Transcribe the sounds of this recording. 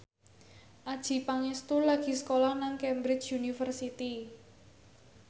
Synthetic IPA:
ʔad̥ʒ̥i̤paŋɪst̪ulaɡ̥i̤sə̥kolahnaŋkɛmbɾɪ̥t͡ʃjunifərsit̪i

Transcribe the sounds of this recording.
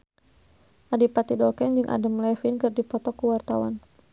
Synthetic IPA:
ʔadipat̪idɔlkɛnd͡ʒɨŋʔa̰dəmlɛfinkɨrdipɔt̪ɔkuwart̪awa̰n

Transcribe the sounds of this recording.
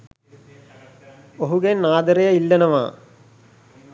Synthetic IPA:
oɦuɡenːaːd̪ɐɾejɐilːɐnɐʋa̰ː

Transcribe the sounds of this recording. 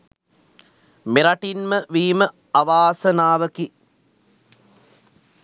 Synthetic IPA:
meɾaʈinməʋiːmə | aʋaːsənaːʋəki

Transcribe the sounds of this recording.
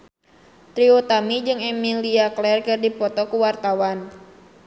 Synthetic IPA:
t̪ɾiot̪amid͡ʒɨŋɛmiliaklɛrkɨrdipɔt̪ɔkuwart̪awan

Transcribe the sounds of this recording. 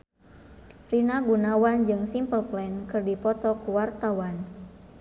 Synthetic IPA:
rinaɡunawand͡ʒɨŋsimpəlplɛnkɨrdipɔt̪ɔkuwart̪awan

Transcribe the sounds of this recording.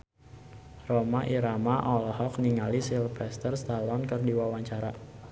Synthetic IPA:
romaʔiɾamaʔɔlɔɦɔk̚niŋalisilfɛst̪ərst̪alɔnkərdiwawaɲt͡ʃaɾa

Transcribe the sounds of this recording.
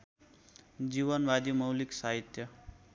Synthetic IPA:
d͡ʒiβʌnbad̪imʌwliksaɦit̪jʌ

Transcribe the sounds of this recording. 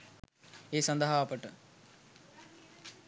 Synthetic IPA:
eːsand̪əɦaːpəʈə

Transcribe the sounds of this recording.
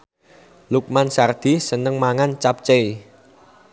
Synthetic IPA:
luk̚mansard̪̥i̤sənəŋmaŋant͡ʃap̚t͡ʃei

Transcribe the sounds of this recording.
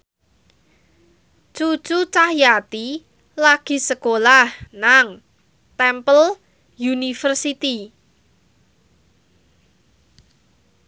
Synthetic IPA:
t͡ʃu̥t͡ʃut͡ʃahjat̪i | laɡ̥i̤səkolahnaŋ | t̪ɛmpəl | junifərsit̪i

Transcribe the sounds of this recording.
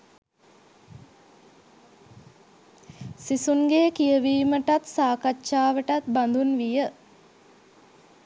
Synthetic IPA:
sisunɡeːkijəʋiːməʈat̪saːkatːʃaːʋəʈat̪̚band̪unʋijə

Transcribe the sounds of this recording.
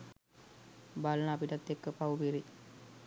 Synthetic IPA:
balənəapiʈat̪ːekːəpawupiɾi

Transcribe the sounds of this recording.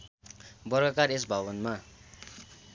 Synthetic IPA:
bʌrɡʌkares̬bʱabʌnma

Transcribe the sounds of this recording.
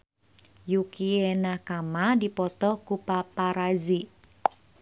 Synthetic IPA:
jukienakamadipɔt̪ɔkupapaɾazi

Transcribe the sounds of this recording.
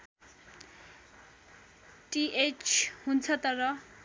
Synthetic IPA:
ʈiet͡ʃʰhunt͡sʰʌt̪ʌɾʌ

